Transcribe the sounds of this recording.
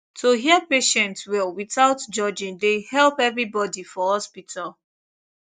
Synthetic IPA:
tʰoɦiəpeʃɛ̃ntwilˠwiθaʊtd͡ʒɔd͡ʒĩndehɛlˠpɛvɹibɔdifɔhɔspitʰalˠ

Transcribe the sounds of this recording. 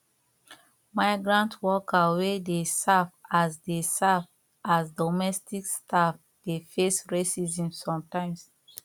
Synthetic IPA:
maɪɡɹãntwɔkawedesavasdesav | asdɔmɛstikstʰaf | d̥efesɹesizĩmsɔ̃mtãɪ̃ms

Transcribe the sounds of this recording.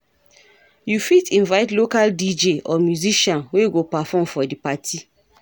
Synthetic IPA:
jufitĩnvaɪtlokaldid͡ʒeʔɔmjuziʃɔ̃nweɡopafɔ̃mfɔdipatʰi

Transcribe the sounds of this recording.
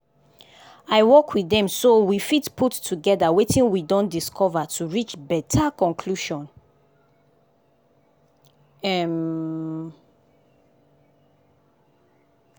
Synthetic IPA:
aɪwɔkʰwiðɛ̃msowifitputʰːuɡɛðawetʰĩŋwidɔ̃ndiskʰɔvatʰuɹit͡ʃbɛtʰakɔ̃nkʰluʃɔ̃n | ɛm

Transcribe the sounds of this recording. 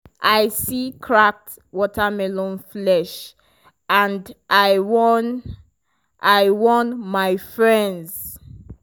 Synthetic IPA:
ʔajsikʰɹak̚t | wɔtʰamɛlɔ̃nflɛʃ | ãndʔajwɔn | ʔajwɔ̃nmaɪfɹɛ̃ndz̥

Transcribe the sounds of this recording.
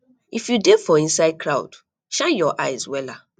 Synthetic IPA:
ifjudefɔĩnsaɪd̚kɾaʊ̰d̥ | ʃãnjɔʔaɪzwɛla

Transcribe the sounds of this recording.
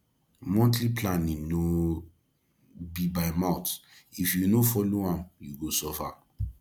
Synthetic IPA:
mɔ̃ntliplãnĩŋno | bibaɪmaʊtifjunofɔloãmjuɡosɔfa

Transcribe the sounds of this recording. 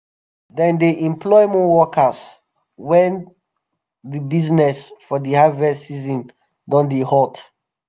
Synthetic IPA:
dɛ̃ndeʔɛ̃mplɔɪjmɔwɔkʰəs | wɛ̃n | dibiznɛsfɔdehavɛsizɔ̃n | dɔ̃ndehɔt

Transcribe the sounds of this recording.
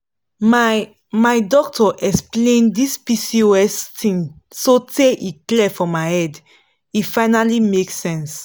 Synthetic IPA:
m | maɪdɔk̚tʰɔʔɛksplẽndispisioɛstʰĩnsoteʔiklɛfɔmaɪhɛd | ifaɪnalimeksɛ̃ns

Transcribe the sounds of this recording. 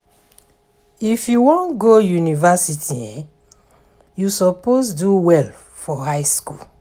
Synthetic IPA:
ifjuwɔ̃nɡojunivasitʰiɛ̃ | jusɔposduwɛl | fɔhaɪskul

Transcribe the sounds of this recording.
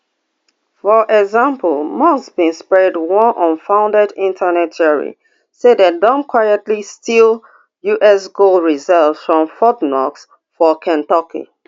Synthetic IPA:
fɔʔɛɡzãmpəlmɔsbĩnspɹɛdwɔ̃nʔɔ̃nfãʊ̃ndɛdĩntʰənɛt̚ɛɹḭ | sedat̚dɔ̃nkʰwajətlistʰilˠ | juʔɛsɡolɹizɛlvzfɹɔ̃mfɔtnɔ̰ks | fɔkʰɛ̃ntɔkʰḭ

